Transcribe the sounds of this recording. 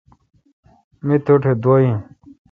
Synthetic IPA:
mit̪ʰuʈʰed̪oːjĩ

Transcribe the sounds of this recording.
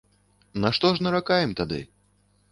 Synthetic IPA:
nɐʂt̪ɔʐnɐɾakajɛmt̪ad̪ɨ̰

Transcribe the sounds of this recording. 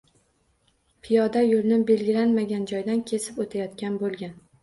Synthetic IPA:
pʰɪjɒd̪ajolnɪbe̞lɡʲɪlanmaɡʲand͡ʒɒjd̪ankʲʰe̞sɪpot̪ʰajɒt̪kʲanbolˠɡʲan

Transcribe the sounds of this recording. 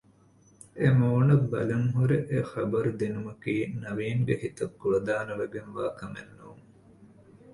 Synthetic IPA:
emoːnɐbbːɐ̰lɐŋɦuɾeʔexɐbɐɾud̪inumɐkiːnɐʋiːŋɡehit̪ɐkːuɭɐd̪aːnɐʋeɡenʋaːkɐmḛnːuːŋ

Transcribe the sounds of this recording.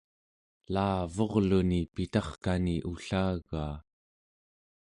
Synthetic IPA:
laːvo̞ʁlunipit̪ɑχkaniʔuɬaːɣaː

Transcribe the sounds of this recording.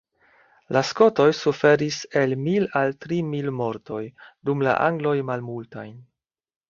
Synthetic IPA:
lasko̞to̞jsufe̞ɾise̞lmilaltɾimilmo̞ɾto̞jdumla̰ʔaŋɡlo̞jmalmulta̰jn

